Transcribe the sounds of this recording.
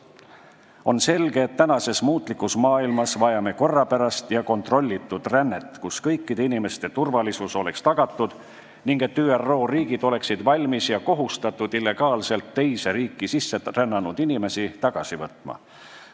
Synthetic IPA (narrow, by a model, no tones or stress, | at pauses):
o̞nse̞lɡ̥e̞ːt̪ːænɑse̞smuːt̪ˑlikːˑusmɑːilmɑsvɑjɑme̞ko̞rːɑpæɾɑst̪jɑko̞nt̪ro̞lʲːit̪ˑːud̪̥rænːe̞t̪ːˑkuskɤjkːid̪einime̞st̪e̞t̪urvɑlisuso̞lekst̪ɑɡ̥ɑt̪ˑːud̪̥ | niŋɡ̥e̞t̪ːyːero̞ːriːɡ̥id̪̥o̞le̞ksid̪̥vɑlʲmisjɑko̞ɦust̪ɑt̪ːˑud̪̥ilːe̞ɡ̥ɑːlse̞lt̪ːe̞jse̞ɾiːkːˑisisːe̞rænːɑnud̪̥inime̞sit̪ɑɡ̥ɑsivɤt̪ˑmɑ̰